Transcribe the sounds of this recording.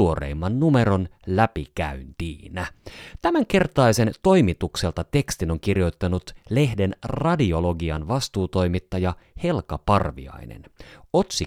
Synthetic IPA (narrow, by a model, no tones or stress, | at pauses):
uo̞ɾḛːmːɑnnume̞ɾo̞n | læpikæynt̪iːnæt̪æmæŋk̟e̞rt̪ɑjse̞nt̪o̞jmit̪ukse̞lt̪ɑt̪e̞kst̪ino̞ŋk̟irjo̞jt̪ːɑnut̪le̞hde̞nrɑdio̞lo̞ɡiɑnʋɑst̪uːt̪o̞jmit̪ːɑjɑhe̞lkɑpɑrʋḭɑ̰jnḛno̞t̪si